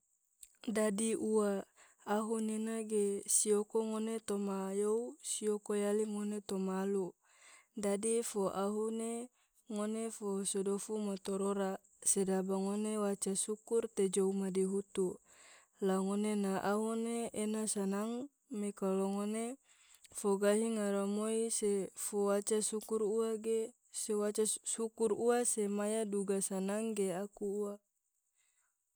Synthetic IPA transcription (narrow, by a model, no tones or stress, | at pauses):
dadiʔuaː | ɦuninaɡesiokoŋonet̪omajousiokojaliŋonet̪omalu | dadifoʔaɦune | ŋonefosodofumat̪oɾoɾa | sedabaŋonewat͡ʃasukurt̪ed͡ʒoumadiɦut̪u | laŋonenaʔaɦoneenasanaŋ | mekaloŋone | foɡaɦiŋaɾamoisefowat͡ʃasukuɾuaɡe | sewat͡ʃasukuruasemajaduɡasanaŋɡeakuːa